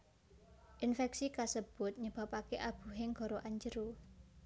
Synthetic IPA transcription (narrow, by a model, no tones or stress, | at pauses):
ʔinfɛksikasəb̥ʊ̤t̪̚ɲəb̥a̤pakeʔab̥ṳɦɪŋɡ̥ɔ̤ɾoʔaɲd͡ʒəɾu